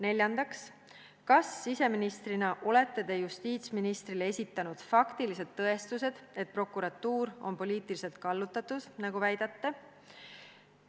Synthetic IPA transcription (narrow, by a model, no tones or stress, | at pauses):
ne̞lʲjɑnd̪ɑks | kɑsːise̞minist̪rinɑʔo̞le̞t̪ːˑe̞d̪e̞just̪iːt̪sminist̪rilee̞sʲit̪ːˑɑnud̪̥fɑkt̪ilise̞d̪ːɤ̞e̞st̪use̞d̪̥e̞t̪̚pro̞kːuɾɑt̪ːuːɾo̞npo̞lʲiːt̪ˑilise̞lt̪̚kɑlːut̪ːˑɑt̪ːˑud̪̥nɑɡuvæjd̪̥ɑt̪ːe